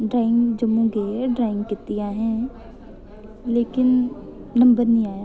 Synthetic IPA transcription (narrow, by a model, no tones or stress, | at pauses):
ɖɾaːɪ̃ŋɡd͡ʒɐmũɡeɖɾaːɪ̃ŋɡkɪt̪ːijãɦɛ̃ː | leːkɪnnɐ̃mbəɾnĩaːjaː